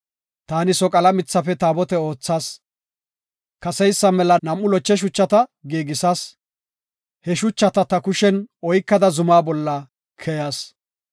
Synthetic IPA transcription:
t̪aːnɪsɔkʼɐlɐmɪt͡sːɐfɛt̪aːbɔt̪ɛo̞ːt͡sːaːs | kɐsɛjsːɐmɛlɐnɐmːʊlɔt͡ʃːɛʃ̬ʊt͡ʃːɐt̪ɐɡeːɡɪsɐs | hɛʃʊt͡ʃːɐt̪ɐt̪ɐkʊʃɛnɔjkːɐd̪ɐzʊmaːbɔlːɐ | kʰɛjɐs

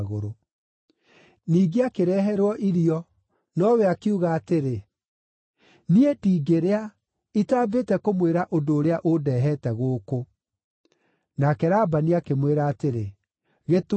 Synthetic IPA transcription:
ɣo̰ɾo | niːɡeakeɾɛːɦɛɾwɔʔiɾiɔ | nɔwɛakiuɣaːteɾe | nietiːɡeɾea | itaːbetɛkomweɾaʔodoːɾeaʔodɛːɦɛtɛɣoːko | nakɛɾaːbaniakemweɾaːteɾe | ɣet

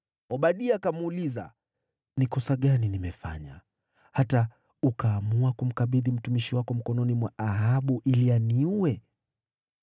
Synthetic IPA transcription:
ɔɓaɗiakamuliza̰ | nikɔsaɠaninimɛfa̰ɲa | hata | ukaːmuakum̩kaɓiðim̩tumiʃiwakɔm̩kɔnɔnimwaʔaɦaɓuʔilianiuwɛ

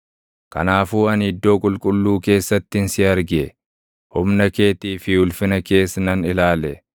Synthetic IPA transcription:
kɐ̰naːfuːɐnɪd̪ːo̞ːkʼʊlkʼʊlːuːke̞ːsːɐt̪ːɪnsɪɐɾɡɪɛ | hʊmnɐke̞ːt̪iːfɪʊlfɪnɐke̞ːsnɐnɪlaːlɛ

